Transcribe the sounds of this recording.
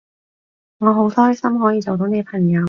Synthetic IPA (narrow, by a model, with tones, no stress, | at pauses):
ŋɔː˨˧ɦo˨˥wt̪ʰɔː˥jsɐ˥mɦɔː˨˥jiː˧t͡so˨wt̪o˨˧˥n˨˧pʰɐ˨˩ŋjɐ˨˧w